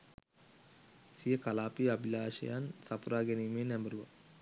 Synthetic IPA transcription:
sijɐkɐlaːpiɐbilaːʃɐ̰jansɐpuɾaːɡenimenɛmbɐɾuʋɐ̰

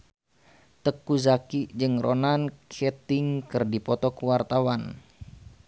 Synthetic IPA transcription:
t̪əkuzakid͡ʒɨŋrʔɔnankʰɛt̪iŋkɨrdipɔt̪ɔkuwart̪awan

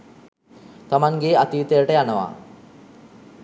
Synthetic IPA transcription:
t̪amaŋɡeːat̪iʋit̪əjəʈəjanəʋa̰

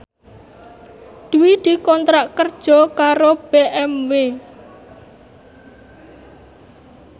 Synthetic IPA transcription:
d̪̥uwid̪̥i̤kɔnt̪ɾaʔkərd̥ʒ̥ɔ̤kaɾob̥eʔɛmwe

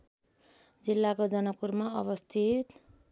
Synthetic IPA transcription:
d͡zilːakod͡zʌnʌpːurmaʌβʌst̪ʰit̪

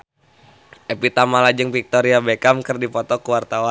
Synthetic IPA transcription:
epit̪amalad͡ʒəŋpik̚t̪oɾiabekamkərdipɔt̪ɔkuwart̪awa

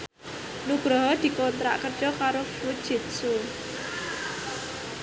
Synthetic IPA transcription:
nuɡ̥ɾɔɦɔd̪̥i̤kont̪ɾa̰ʔkərd̥d͡ʒ̥ɔkaɾofu̥ʒ̥ɪ̤t̪̚su

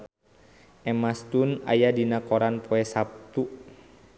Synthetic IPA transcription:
ʔɛmast̪una̰jadinakɔɾanpʰɔɛsap̚t̪u

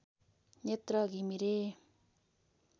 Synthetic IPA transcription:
ɲet̪ɾʌɡimiɾe

